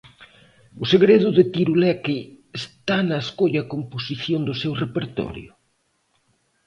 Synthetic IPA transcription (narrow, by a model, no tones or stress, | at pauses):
ʊseɣɾeðʊðet̪iɾulɛkɪest̪anɐeskoʎɐkomposiθjond̪ʊsewrepeɾt̪ɔ̰ɾjʊ̰